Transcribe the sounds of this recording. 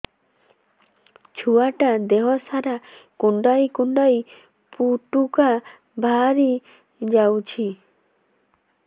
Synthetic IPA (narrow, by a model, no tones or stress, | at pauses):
t͡ʃʰuaʈad̪eɦɔsaɾakuɳɖajkuɳɖaj | puʈuka | bʱaɾi | d͡ʒawt͡ʃʰi